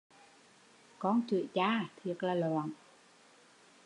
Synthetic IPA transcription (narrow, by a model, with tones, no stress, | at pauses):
kɔ˧nt͡ɕi˧˨˩ət͡ɕaː˧˩t̪ʰi˨˩ək̚laː˨˩lɔː˨˧˨n